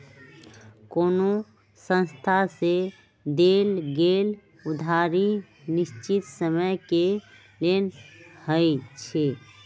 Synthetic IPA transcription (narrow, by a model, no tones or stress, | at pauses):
koːno | sə̃nst̪ʰase | d̪eːlɡeːl | ʊd̪ʱaːɾi | nɪʃt͡ʃit̪səməjke | leːnhəit͡ʃʰe